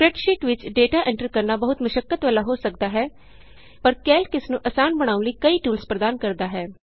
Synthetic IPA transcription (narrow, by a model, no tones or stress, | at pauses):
pɾɛʈʃiːʈʋɪt͡ʃɖeːʈaːʔɪ̃ɳʈəɾkəɾnaːbəɦʊt̪məʃəkːət̪ʋəːlaːɦoːsək̚d̪aːɦɛː | pəɾkɛːlkɪsnũːʔəsaːnbəɽ̃aːʊ̃nləiːkəiːʈuːlspɾəd̪aːnkəɾd̪aːɦɛː